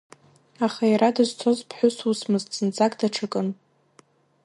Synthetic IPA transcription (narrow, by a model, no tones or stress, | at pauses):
aχajɾadɨzt͡sʷʰozpʰħʷʊsusmɨztt͡sɨnt͡sʼakʼdaʈ͡ʂʰɨkʼɨn